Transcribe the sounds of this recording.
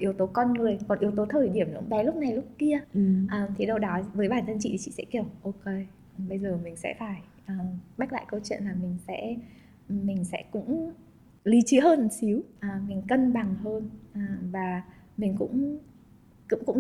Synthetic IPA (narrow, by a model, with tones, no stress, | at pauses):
ʔi˨˦əwt̪o˨˦kɔ˧nŋɨ˨˩əjkɔ˨˩nʔi˨˦əwt̪o˨˦t̪ʰəː˨˩jɗi˧˩əmnɨ̰˧˥ɓɛ˨˦lʊ˦˥k͡p̚na˨˩jlʊ˦˥k͡p̚ki˧əʔəː˨˩t̪ʰi˨˦ɗə˧wɗɔ˨˦vəː˨˦jɓaː˨˩nt̪ə˧nt͡ɕḭ˧˨t͡ɕḭ˧˨sɛ̰˧˥ki˧˩ə˩wʔo˧ke˧˨˩ | ɓə˧jzəː˨˩mï˨˩ŋ̟sɛ̰˧˥faː˧˩j | ʔəː˨˩ɓa˦˥k̚la̰ː˧˨kə˧wt͡ɕwḭ˧˨nlaː˨˩mï˨˩ŋ̟sɛ̰˧˥˨ | mï˨˩ŋ̟sɛ̰˧˥kʊ̰˧˥ŋ͡m | li˨˦t͡ɕi˨˦həː˧n˨˩si˨˦wʔəː˨˩mï˨˩ŋ̟kə˧nɓa˨˩ŋɦəː˧nʔəː˨˩vaː˨˩ | mï˨˩ŋ̟kʊ̰˧˥ŋ͡m | kʊ̰˧˥ŋ͡mkʊ̰˧˥ŋ͡m